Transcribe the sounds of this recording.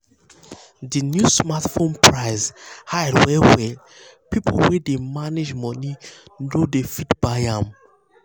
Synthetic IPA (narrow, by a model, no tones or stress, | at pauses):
dinjusmatfõnpʰɹaɪzhajdwɛwɛ | pipʰolwɛdemaned͡ʒmɔninodefitb̥aɪãm